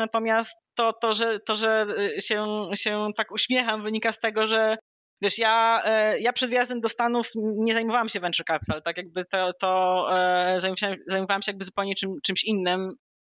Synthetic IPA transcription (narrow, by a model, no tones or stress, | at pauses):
nat̪ɔmʲjast̪ːɔt̪ɔʐɛt̪ɔʐɛɕɛɕɛt̪akuɕmʲjɛxamvɘɲikast̪ɛɡɔʐɛ | vʲjɛʂjajapʂɛd̪vʲjazd̪ɛmd̪ɔst̪anufɲɛzajmɔvawamɕɛvɛnt͡ʂɛɾkapʲi̥t̪alt̪akjaɡ̚bɘt̪ɛt̪ɔ | zajmɕzajmɔvawamɕɛjaɡ̚bɘzupɛwɲɛt͡ʂɘmt͡ʂɨmɕinːɘm